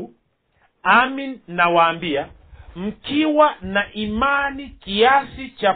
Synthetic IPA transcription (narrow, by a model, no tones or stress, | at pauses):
aminːawaːmbia | m̩kiwanaʔimanikiasit͡ʃa